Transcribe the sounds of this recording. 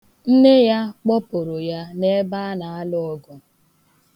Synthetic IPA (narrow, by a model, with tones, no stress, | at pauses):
n̩˦ne˦ja˦k͡pɔ˦po˨ɾʊ˨ja˦ne˦ba˦na˨a˦lʊ˦ɔ˨ɡʊ˨